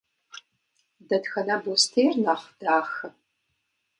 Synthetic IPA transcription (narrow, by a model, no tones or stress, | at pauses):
dɐdxɐnɐbostʰeːrnaχd̥aːxɐ